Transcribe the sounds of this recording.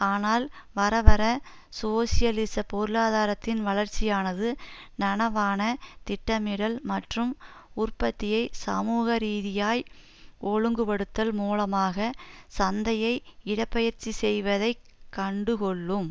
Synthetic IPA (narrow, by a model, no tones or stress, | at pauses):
aːnaːlʋɐɾɐʋɐɾɐ | soːsɪjɐlɪsɐpɔɾɯlaːðaːɾɐt̪ːɪnʋɐɭɐɾt͡ʃːɪjaːnɐðɯnɐnɐʋaːnɐt̪ɪʈːɐmɪɽɐlmɐʈrɯmʊrpɐt̪ːɪjɐɪsɐ̰muːɣɐɾiːðɪjaːj | ɔɻɯŋɡɯpɐɽɯt̪ːɐlmuːlɐmaːɣɐsɐnd̪ɐjɐɪɪɽɐpːɐjɐɾt͡ʃːisɛjʋɐðɐɪ | kːɐɳɖɯkɔɭːɯm